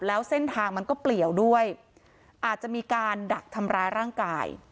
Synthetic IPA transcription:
p̚lɛː˦˥wse˥˩nt̪ʰaː˧ŋma˧nkɔː˥˩pli˨˩əwdu˥˩əj | ʔaː˨˩t̪̚t͡ɕa˨˩ʔmiː˧kaː˧nda˨˩k̚t̪ʰa˧mɾaː˦˥jɾaː˥˩ŋka̰ː˧j

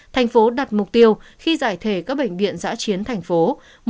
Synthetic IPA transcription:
t̪ʰa˨˩jŋ̟fo˨˦ɗaː˨˩t̚mʊ˨˩k͡p̚t̪i˧əwxi˧zaː˧˩jt̪ʰe˧˩kaː˦˥k̚ɓə̰˧˩jŋ̟vḭ˧˨ənza̰ː˧˥t͡ɕi˨˦ənt̪ʰa˨˩jŋ̟fo˨˦ | m

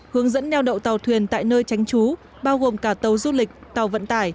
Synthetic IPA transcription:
hɨ˨˦əŋzə̰˧˥nːɛ˧wɗə̰˧˨wt̪a˨˩wt̪ʰwi˨˩ənt̪a̰ː˧˨jnəː˧jt͡ɕa˨˦jŋ̟t͡ɕu˨˦ | ɓaː˧wɣo˨˩mkaː˧˩t̪ə˨˩wzu˧lï˨˩k̟̚t̪a˨˩wvə̰˧˨nt̪aː˧˩j

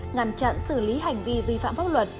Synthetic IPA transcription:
ŋa˨˧˩nt͡ɕa̰˧˨nsɨ˧˩li˨˦ɦa˨˩jŋ̟vi˧vi˧fa̰ː˧˨mfaː˦˥p̚lwə˨˩t̚

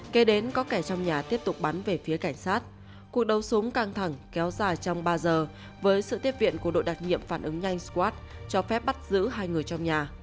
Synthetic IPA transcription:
ke˨˦ɗe˨˦nkɔ˨˦kɛ˧˩t͡ɕɔ˧wŋ͡mɲaː˨˩t̪i˦˥əp̚t̪ʊ˨˩k͡p̚ɓa˨˦nve˨˩fi˨˦əka˧˩jŋ̟saː˦˥t̚ | ku˨˩ək̚ɗə˨˦wsʊ˨˦ŋ͡mkaː˧ŋt̪ʰa˧˩ŋkɛ˨˦wzaː˨˩jt͡ɕɔ˧wŋ͡mɓaː˧zəː˨˩ | vəː˨˦jsɨ̰˧˨t̪i˦˥əp̚vḭ˧˨ənku˧˩əɗo̰˧˨jɗaː˨˩t̚ɲḭ˧˨əmfaː˧˩nʔɨ˨˦ŋɲa˧jŋ̟skwaː˦˥t̚ | t͡ɕɔ˧fɛ˦˥p̚ɓa˦˥t̚zɨ̰˧˥ɦaː˧jŋɨ˨˩əjt͡ɕɔ˧wŋ͡mɲaː˨˩

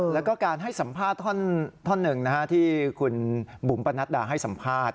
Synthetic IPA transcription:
lɛ˦˥wkɔː˥˩kaː˧nɦa˥˩jsa˩˦mpʰaː˥˩t̪ʰːɔ˥˩nt̪ʰɔ˥˩nːɯ˨˩ŋna˦˥kʰa˦˥t̪ʰiː˥˩kʰu˧nbu˩˦mpa˧nːa˦˥t̪̚daː˧˩ɦa˥˩jsa˩˦mpʰaː˥˩t̪̚

